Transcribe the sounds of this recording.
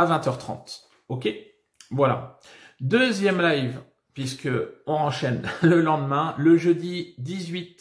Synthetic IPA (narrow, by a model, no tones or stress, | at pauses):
avɛ̃t̪œʁt̪χɑ̰̃t̪ | okʲe | vwala̰ | d̪øzjɛmlajv | pɥiskəɔ̃ɑ̃ʃɛnləlɑ̃d̪mɛ̃ləʒød̪id̪izɥit̪